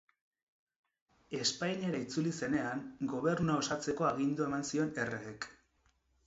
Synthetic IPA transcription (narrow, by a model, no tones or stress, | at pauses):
e̞spajɲaɾait͡sulise̞ne̞aŋɡo̞β̞e̞rnunao̞sat͡se̞ko̞aɣ̞ind̪ue̞mansio̞ne̞reːk